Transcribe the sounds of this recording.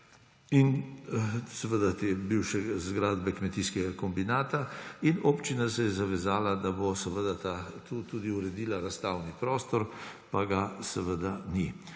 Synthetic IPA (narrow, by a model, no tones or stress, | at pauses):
in | sɛʋəd̪at̪ebiwʃɛzɡɾaːd̪bɛkmɛt̪iːskɛɡakɔmbinaːt̪ainopt͡ʃinasɛjɛzaʋɛzaːlad̪abosɛʋəd̪at̪at̪uːt̪uːd̪iuɾɛd̪iːlaɾast̪aːwnipɾɔːst̪ɔɾpaɡasɛʋəd̪ani